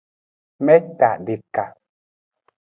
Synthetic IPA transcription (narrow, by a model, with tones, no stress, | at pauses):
mɛ˦ta˨ʔdi˨ka˨